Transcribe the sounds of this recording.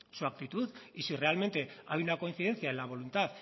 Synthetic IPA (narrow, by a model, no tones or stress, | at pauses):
suak̚t̪it̪uðisire̞alme̞nt̪e̞ajunako̞inθiðe̞nθjaenlaβ̞o̞lunt̪að